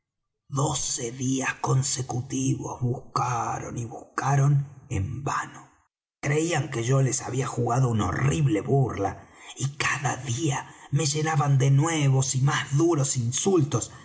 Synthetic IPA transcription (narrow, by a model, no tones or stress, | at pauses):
ðo̞seðiasko̞nsekut̪iβo̞̰zβuskaɾo̞̰niβuskaɾo̞nḛmba̰no̞ | kɾeiaŋkeʒo̞le̞sa̰βiaxuɣaðounao̰riβleβurlaikaðaðiame̞ʒe̞naβand̪enweβo̞simazðuɾo̞sinsult̪o̞s